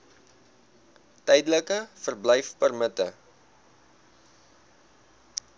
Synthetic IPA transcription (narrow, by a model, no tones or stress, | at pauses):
tɛjdələkəfərblɛjfpərmətə̰